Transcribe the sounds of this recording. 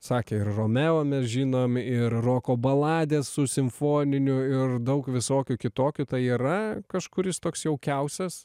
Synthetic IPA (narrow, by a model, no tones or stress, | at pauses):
sɑːkʲeːɪrroːmʲæːʋoːmʲɛsʒʲiːnoːmɪrroːkoːbɐlˠɑːd̪ʲeːssʊsʲɪmfoːnʲɪnʲʊɪrd̪ɐʊkʋʲɪsoːkʲʊkʲɪt̪oːkʲʊt̪ɐɪiːɾɐkɐʃkʊɾʲjɪst̪oːksjɛʊkʲɛʊsʲɛs